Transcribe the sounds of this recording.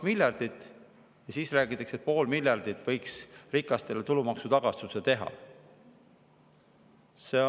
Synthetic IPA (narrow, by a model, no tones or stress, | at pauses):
milʲjɑrd̪̥it̪ːˑ | jɑsiːsræːɡit̪ːˑekset̪̚po̞ːlmilʲjɑrd̪̥it̪ːˑvɤjksrikːˑɑst̪e̞le̞t̪ulumɑksut̪ɑɡ̥ɑst̪uset̪e̞ɦɑ̰ | se